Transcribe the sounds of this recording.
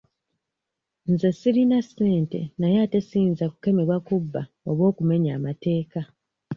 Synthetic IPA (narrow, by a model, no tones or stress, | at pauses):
nze̞siɾinase̞ːnte̞̰najaːte̞siːnzaku̥ke̞me̞βwakubːa | o̞βwo̞ːkume̞ɲaːmate̞ːka